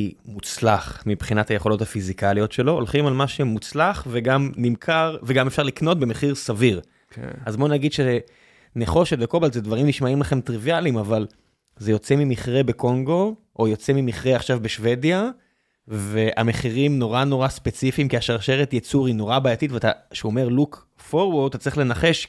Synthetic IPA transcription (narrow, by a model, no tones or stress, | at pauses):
imut͡slaχmibχinathaje̞χo̞lo̞thafizikalijo̞tʃe̞lo̞olχimalmaʃemut͡slaχveɡamnimkʰaʁveɡamefʃaʁlikno̞t̚bemeχiʁsaviʁ | azbonaɡid̪ʃee | neχo̞ʃetbeko̞balzedvaʁimniʃmaimlaχe̞mt̪ʁivialimaval | zejo̞t͡se̞mimiχʁe̞be̞ko̞ŋɡo̞ | ʔojo̞t͡se̞mimiχʁeaχʃavbeʃve̞dja | ve̞ʔame̞χiʁimno̞ʁano̞ʁaspet͡sifimkiaʃaʁʃeʁet̪jet͡suʁino̞ʁabaːjat̪itveataʃeome̞ʁluk | foʁwoʁt̪ːat͡sʁiχle̞naχe̞ʃ